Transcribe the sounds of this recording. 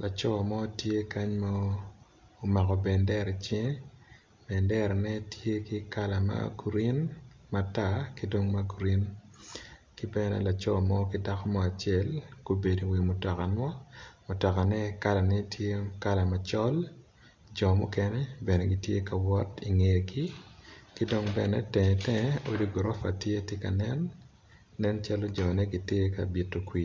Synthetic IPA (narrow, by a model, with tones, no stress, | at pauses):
lʔa˨t͡ʃɔ˦˨mɔ˦tje˦ka˦ɲma˦ | o˨ma˨kɔ˨bɛ˨ndɛ˦ɾi˨t͡ʃe˦ | bɛ˨ndɛ˦ɾnɛ˦tʰje˦kɪ˦ka˦la˨ma̰˦ɡu˨ɾi˦nma˨ta˦kɪ˦do˦ŋma˦ɡu˨ɾi˦n | kɪ˦bɛ˦nɛ̰˨la˨t͡ʃɔ˦˨mɔ˦kɪ˦da˦kɔ˦mɔ˦a˨t͡ʃɪɛ˦˨lko˨be˨di˨wi˨mʊ˨tɔ˨ka˨nwa˦mʊ˨tɔ˨ka˨nɛ˦ka˦la˨nɛ˦tʰje˦ka˦la˨ma˨t͡ʃɔ˦l | d͡ʒɔ˨mʊ˦kɛ˦nɛ˦bɛ˨nɛ˨ɡi˨tje˦ka˨wɔ˦ti˨ŋe˨ɡi˦ki˦do˦ŋbɛ˨nɛ˦tɛ˨tɛ˦o˦di˦ɡɾɔ˦fa˨tje˦tje˦ka̰˨nɛ˦nː | ɛ˦nt͡ʃa˦lo˦d͡ʒɔ˨nɛ˦ɡi˦te˦ka̰˨bi˨tːo˨kwi˨